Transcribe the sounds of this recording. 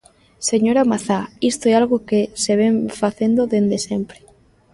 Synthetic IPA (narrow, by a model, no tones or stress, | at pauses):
seɲoɾamaθaist̪oɛalɣokeseβ̞eɱfaθend̪oðend̪esempɾe̥